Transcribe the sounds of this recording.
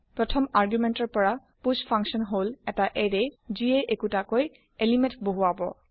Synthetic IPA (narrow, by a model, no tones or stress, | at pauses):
pɹɔtʰɔmaɹɡjumɛntɔɹpɔɹa | puspʰaŋksɔnɦolɛtaʔeɹɛzieʔekutakoj | elimɛ̃ntboɦuabɔ̰